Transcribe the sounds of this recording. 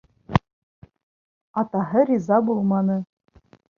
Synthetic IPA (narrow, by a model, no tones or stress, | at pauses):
ɑt̪ɑɦɤɾʲizɑbulˠmɑnɤ